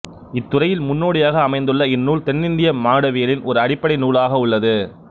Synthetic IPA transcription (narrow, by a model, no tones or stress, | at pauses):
ɪt̪ːʊrɐjɪlmʊnːoːɽɪjaːɣɐːmɐɪnd̪ɯɭːɐɪnːuːɭt̪ɛnːɪnd̪ɪjɐmaːɽɐʋɪjɐlɪnʔɔɾɯɐɽɪpːɐɽɐɪnuːlaːɣɐʊɭːɐðɯ